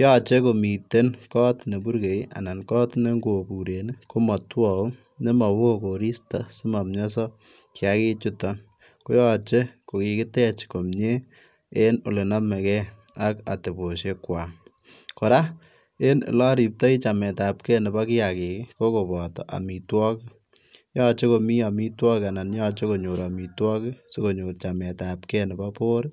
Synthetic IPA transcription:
jɔ˦t͡ʃe˦ko˨mi˨te˦nkɔ˦tne˨bu˦ɾke˨ja̰˨na˨nkɔː˦tne˦ŋɡo˨pu˨ɾene˦ko˦mɔ˨twɔ˨o˦ | ne˦ma˨wo˦ko˨ɾi˦sta˨su˦ma˨mɲɔ˦s̬ɔ˦ | kja˦ki˦t͡ʃu˦tɔ˦n | ko˦jɔt͡ʃe˦ko˨ki˨kɪ˦tɛ˦t͡ʃko˨mɲe˦ | e˦no˨le˨na˦mɛ˨kɛ˦a˦ka̰˨te˨bo˨ʃe˦kwa˨ŋ | ko˨ɾa˦ | e˦nɪ̰˨lɔ˦ɾi˨p̚tɔ˦i˦t͡ʃa˨mɛ˨ta˨p̚kɛ˦nɪ˨ba˦ki˦a˨ki˨kɪ˦ko˦ko˨bɔ˨tɔ̰˨ʔa̰˨mi˨twɔ˦k | jɔ˦t͡ʃe˦ko˨mi˦a˨mi˦twɔ˦ka˨na˨njɔ˦t͡ʃe˦ko˨ɲo˨ɾa˨mi˨twɔ˦kɪ˦se˦ko˨ɲo˨rt͡ʃa˨mɛ˨tapkɛ˦nɪ˨ba˦poː˦ɾ

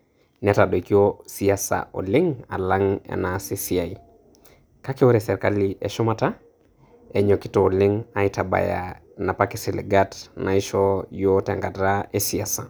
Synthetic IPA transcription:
nɛtaɗo˨i˨kiosiasa̰˨ʔo̰˨lɪ˦ŋa̰˨la˦ŋḛ˨nasi˦si˦a˨i | ka˦ke˦o˦ɾɛsɛ˨ɾka˦liʔe˨ʃɔ˦mata˦ | e˨ɲo˨ki˦toː˨li˦ŋa˨itaba̰˨ja̰ | na˨paki˨si˨lḭ˨ɡatna˨i˦ʃɔjo˦tɛ˨ŋɡa˨tae˦si˨asa˨

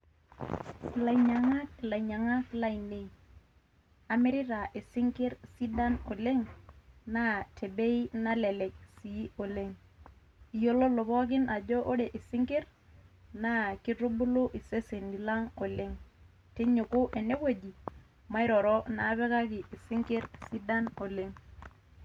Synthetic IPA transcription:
la˨iɲa˨ŋa˦k̚la˨i˨ɲa˨ŋa˦kla˨i˨ne˦i˨ | a˨mi˦ɾɪ˦ɾa˨ʔi˨sɪ˦ŋki˦ɾsi˦da˦no˨le˦ŋna˦tʰe˨be˦i˦na˦le˨le˨ksi˨˦o˨le˦ŋ | i˨jo˦lo˦lo˨βɔ˦k̬ɪ˦na˨d͡ʒɔ˦ʔo˦ɾe˨ʔi˨si˦ŋki˦ɾ | na˦ki˦ɾu˦bu˦lu˦ʔi˨se˦se˨ndi˨la˦ŋo˨le˦ŋ | te˦ɲu˨ku˦ʔe˨ne˦wo˦d͡ʒi˨ | ma˦i˦ɾɔ˨ɾɔ˦na˨˦βɛ˦ka˦kɪ˨ʔi˨si˦ŋki˦ɾsi˦da˦no˨le˦ŋ

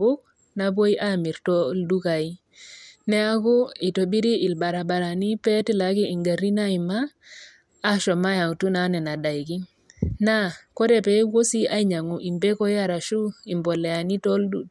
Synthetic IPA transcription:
u˦k̚ | na˨bo˦i˦ʔa˦mi˨ɾtɔ˦ldu˦ka˨i˦ | nɛ˦a˦ku˦i˨to˨bi˦ɾi˦ʔɪ˨lba˨ɾa˨ba˨ɾa˨ni˦pɛ˦ti˦la˨ki˦i˨ŋɡa˨ɾi˦na˦i˨maː˦ | ʃɔ˨ma˦ja˨ŋ˨tu˦na˨˦nɛ˨na˨da˨jki˦ | na˦ko˦ɾɛ˨pɛ˨˦wo˦si˦a˦i˦ɲa˨ŋu˨ʔi˨mbɛ˦kɔ˦ja˦ɾa˨ʃu˦i˨mbɔ˨lɛ˨a˨ni˦tɔ˦ldu˦

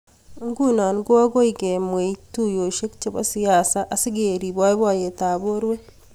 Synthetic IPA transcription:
ŋɡu˦na˨nɡwa˦ɡo˦iɡe˨mweitu˦jo˨ʃe˦kt͡ʃe˨ba̰˦sijaː˨saʔa˨si˦ɡeɾi˨bwa˦i˦βwa˦˨je˨taː˨bo˦ɾwe˦

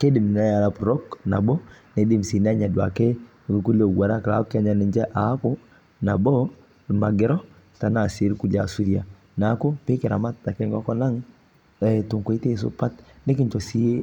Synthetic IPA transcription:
ke˦di˨m˨na˦ja˨ɾa˨pɾɔ˦kna̰˨bɔ˦ne˨di˨m̩˨si˨n˦a˦ɲa˨dwa̰˨kɛ˦˨ | ku˦lo˨ɡwa˨ɾa˦ka˨˦ka˦ɲa˨ni˨ɲd͡ʒɛ˦ʔa˨˦ko˦ | na˨bɔ˦˨ | ma˨ɡɪ˦ɾɔ˦˨ | ta˨na˨se˦ɾku˦la˨su˦ɾi˦a˨ | na˨˦ko˦pe˦ke˨ɾa̰˨ma˦ta˨kɛ˦ŋɡɔ˦kɔ˦na˦ŋ | ɛ˨tu˨ŋkwi˦te˦s̬o̰˨pa˦tne˦ki˦ɲt͡ʃɔ˨si˦e˦

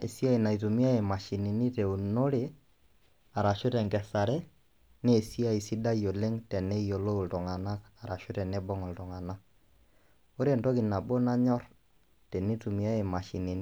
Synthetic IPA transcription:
e˨si˦a˦i˨na˨i˨tu˨mi˦a˦e˨ma˨ʃi˨ni˨ni˦tɛ˨u˨no˦ɾe˨ | a˨ɾa˨ʃʊ˦tɛ˨ŋkɛ˨sa˨ɾɛ˦ | neː˦˨si˦a˦˨i˨si˦da˦jo˨le˦ŋtɛ˨nɛ˦i˨jo˨lo˦u˨ltɔ˨ŋa˨na˦ka˨ɾa˨ʃʊ˦ɾɛ˨nɛ˦bɔ˦ŋɔ˨ltɔ˨ŋa˨na˦ | o˦ɾe˦ntɔ˦ki˨na˨bo˦na˦ɲɔ˦r | tɛ˨ni˦tu˨mi˨a˦e˨ma˨ʃi˨ne˨ni˦

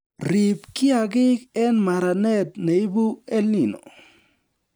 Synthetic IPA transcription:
ɾi˨pkɪ˦a˨ɡɪ˦kɛ˦nma˨ɾa˨nɛ˦t̚ne˨i˦bu˦ɛ˦li˨no̰˨

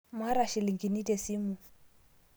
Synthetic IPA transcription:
ma˦ɾa˨ʃi˨li˨ŋɡi˨ni˦dɛ˨si˦mu˨

